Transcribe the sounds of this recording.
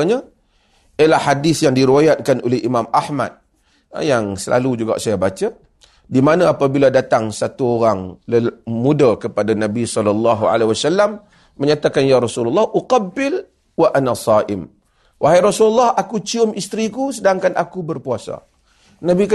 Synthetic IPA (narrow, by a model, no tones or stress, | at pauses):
ɲa | ijəlahːadɪθjaŋdiɾiwajat̪̚kanʔo̰lehʔimãmahma̰t̪̚ | jaŋsəlʔa̰lud͡ʒuɡa̰ʔsajabat͡ʃa | dimanãapabiladat̪aŋsat̪uoɾaŋləmudakəpadanãbisɔlːɔlːɑɦua̰leɦwasalːamː | əɲat̪akanjaɾɔsulɑlˠˤːɑhʔuqɑbːɪl | waʔanasˤɑʔɪm | wʔaɦajɾɔsulɑlːɑhakut͡ʃiʊmist̪ɾikusədaŋkanʔakubərpuasa̰ | nabik